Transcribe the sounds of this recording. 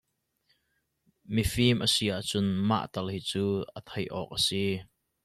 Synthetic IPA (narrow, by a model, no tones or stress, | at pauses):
mifimʔəsiʔaʔt͡sʊnma̰ʔt̪ɐlhiːt͡suːʔət̪ʰɐjʔɔ̰k̚ʔəsi